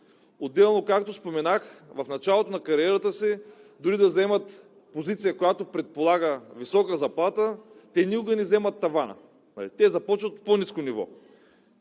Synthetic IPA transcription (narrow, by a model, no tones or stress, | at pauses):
od̪ːɛlˠnokakt̪ospomɛnaxvɐfnɐt͡ʃalˠot̪onɐkɐɾiɛɾət̪əsid̪ʊɾid̪ɐzɛmət̪ | pozit̪sijəkojat̪opɾɛt̪̚polˠaɡəvisɔkəzɐplˠat̪ət̪ɛniuɡɐnizɛmɐt̪ːɐvanə̰ | nɐ̰lit̪ɛzɐpɔt͡ʃvət̪poniskonivɔ̰